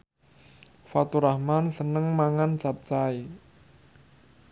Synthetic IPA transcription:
fat̪uɾahmansənəŋmaŋant͡ʃap̚t͡ʃai

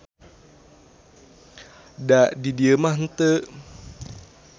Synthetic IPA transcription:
daʔdidiəmahn̩t̪ə

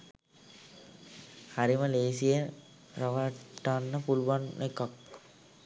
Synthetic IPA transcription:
haɾiməleːsije | ɾɐʋəʈːaːnːəpuluʋanʔekak̚

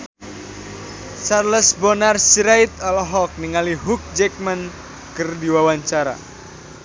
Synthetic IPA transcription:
sarləsbɔnarsiɾajt̪ɔlɔɦɔk̚niŋaliɦuk̚d͡ʒɛk̚mən | kərdiwawaɲt͡ʃaɾa̰

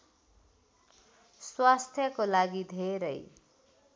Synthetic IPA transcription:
swast̪ʰjʌkolaɡid̪ʱeɾʌj

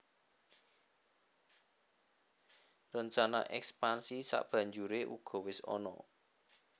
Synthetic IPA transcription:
rəɲt͡ʃana̰ʔɛkspansisa̰ʔb̥ä̤ɲd͡ʒuɾeʔṵɡ̥ɔ̤wɪsɔ̰nɔ̰

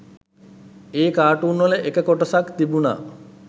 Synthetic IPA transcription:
eːkaːʈuːnʋoleʔekəkoʈɐsakt̪ibuna̰

